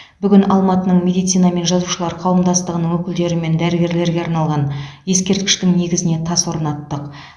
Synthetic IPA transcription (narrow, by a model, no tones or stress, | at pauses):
bʏɡʲɪnɑlˠmɑt̪ənəɴmʲe̞d̪ijt̪sijnɑme̞nʒɑzuʃəlˠɑɾqʰɑwəmd̪ɑst̪əʁənəɴwɵkʲɪld̪e̞ɾɪme̞nd̪æɾɪɡʲe̞ɾle̞ɾɡʲe̞ɑɾnɑlˠʁɑnje̞skʲe̞ɾt̪̚kʲɪ̥ʃt̪ɪŋne̞ɡʲɪzɪne̞t̪ʰɑswo̞ɾənɑt̪ːəq